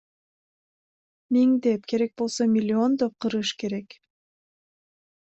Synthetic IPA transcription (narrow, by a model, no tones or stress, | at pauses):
miŋd̪e̞pkʰe̞ɾe̞k̚bo̞lˠsomʲilʲːio̞nd̪op̚qʰɯɾɯʃke̞ɾe̞k